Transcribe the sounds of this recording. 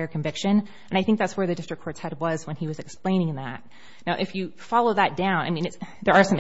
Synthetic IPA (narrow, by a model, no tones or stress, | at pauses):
ɪə˞kʰɱvɪkʃɨ̃n | ɨ̃naɪθɪ̃ŋk̚ðætswə˞ðɨdɪstɹ̥ɨkʰɔɹtʰɛt̚wʌzwə̃niwʌzɨksplẽɪ̃ñɪ̃ŋðæ̰t̚ | naʊʔɨfjɨfɑlˠoʊðɨt̚d̥ãʊ̃na̰ɪmĩnɨtsðə˞ːsʌ̃m